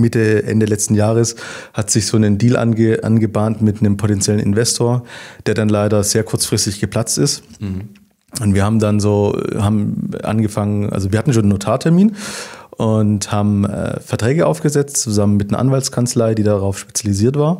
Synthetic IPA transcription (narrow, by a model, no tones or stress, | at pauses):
mɪtəʔɛ̰ndəlɛt͡stn̩jaːʁəshatz̥ɪçz̥oːnəndiːlʔa̰nɡəʔa̰nɡəbaːntmɪtnəmpʰotɛnt͡sjɛlənɪ̰nvɛstʰoːɐd̥eːɐdanlaɪɾɐz̥eːɐkʰʊɐt͡sfʁ̥ɪstɪçɡ̥əpʰl̥at͡stɪst | ʔʊntv̥iːɐhaːbm̩danzoːhaːbm̩ʔa̰nɡəfaŋənʔa̰lzoviɐhatn̩ʃoːnənːotʰaːɐtʰɛɐmiːnʔʊnthaːbm̩ɛ̰ːfɛɐtʁ̥ɛːɡəʔa̰ʊfɡ̥əzɛt͡stt͡suzamənmɪtnɐʔa̰nvaltskʰant͡slaɪdiːdaʁaʊfʃpe̥t͡sjaliziːɐtv̥aːɐ